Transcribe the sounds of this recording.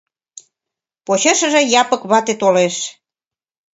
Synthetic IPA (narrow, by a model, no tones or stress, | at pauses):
pot͡ɕə̆ʃə̆ʒĕjɑpə̆kβɑt̪et̪oleʃ